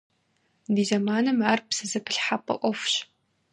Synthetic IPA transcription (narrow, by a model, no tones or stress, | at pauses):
diːzɐmaːnɨmaːrpsɨzɨpʰɨɬħapʼɐ̰ʔʷɔfɕ